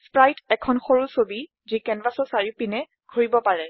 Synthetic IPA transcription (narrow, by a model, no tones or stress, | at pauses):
spɹajtɛkʰɔnxoɹusobi | zikɛnvasɔsaɹipinɛ | ɡʱoɹibɔpaɹɛ